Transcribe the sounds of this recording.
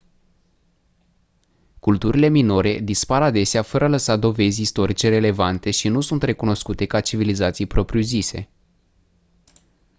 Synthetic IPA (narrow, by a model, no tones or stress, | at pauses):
kult̪uɾile̞mino̞ɾe̞d̪ispaɾad̪e̞seafəɾəaləsad̪o̞ve̞zʲist̪o̞ɾit͡ʃe̞re̞le̞vant̪e̞ʃinusunt̪re̞kuno̞skut̪e̞kat͡ʃivilizat̪sijpɾo̞pɾiuzise̞